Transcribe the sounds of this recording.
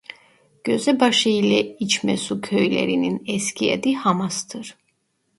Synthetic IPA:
ɡ̥øzɛbaʃɯilɛit͡ʃʰmɛsukʰøjlɛ̰ɾininɛscʰiɛ̰d̪ihamast̪ʰɯɾ̥

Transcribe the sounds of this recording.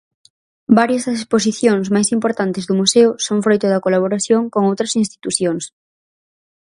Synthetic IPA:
baɾjɐzðɐsespos̬iθjoŋsmajsimpoɾt̪ant̪ezðʊmuseʊsoŋfɾojt̪ʊðɐkolaβ̞oɾaθjoŋkoŋowt̪ɾɐsinst̪i̥t̪uθjoŋs

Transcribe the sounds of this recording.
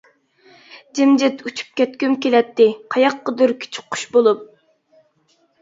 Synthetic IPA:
d͡ʒɪmd͡ʒɪt̪ʰut͡ʃʰy̥p̚kʲɛt̪kʲymkʲelɛt̪ʰːɪqʰɑjɑqːəd̪ʊɾkʲʰi̥t͡ʃʰʊ̥qːʊ̥ʃbolˠup̚

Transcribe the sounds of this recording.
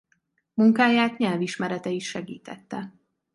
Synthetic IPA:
muŋkaːjaːt̪ɲɛlviʃmɛɾɛt̪ɛiʃʃɛɡḭːt̪ɛ̰t̪ːɛ

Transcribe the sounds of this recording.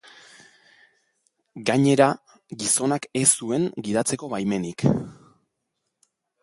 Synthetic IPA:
ɡaɲe̞ɾa | ɡiso̞nake̞sːue̞ŋɡiðat͡se̞ko̞βajme̞nik

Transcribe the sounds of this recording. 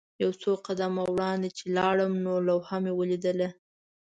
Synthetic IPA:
jawsoqad̪amawɽɑnd̪et͡ʃelɑɽəmnolawhamewəlid̪əla

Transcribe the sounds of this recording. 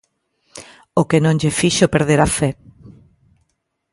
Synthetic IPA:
okenõŋʎefiʃopeɾðeɾafɛ

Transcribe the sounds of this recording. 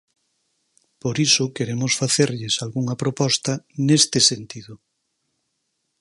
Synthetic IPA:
poɾisʊkeɾemʊsfaθeɾʎɪsalɣuŋɐpɾopɔst̪ɐnest̪ɪsent̪iðʊ

